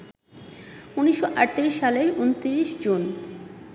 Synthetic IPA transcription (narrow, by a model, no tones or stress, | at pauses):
uniʃːoʔaʈt̪iɾiʃːaleɾunt̪iɾiʃd͡ʑon